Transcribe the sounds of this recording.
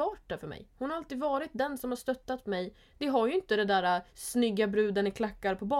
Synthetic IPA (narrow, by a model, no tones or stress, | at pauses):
ɑːʈ̚d̪æfœɾmɛ̰jhʊnhaɾalt̪iːd̪vɑːɾɪt̪̚d̪ɛnsɔmhaɾʂt̪œt̪ːat̪mɛj | d̪̥ɛɦaɾjɵɪnt̪əd̪ɛd̪æːɾasnʏɡːabɾʉ̟ːd̪ənːɪkʰlakːaɾpʰɔbɑ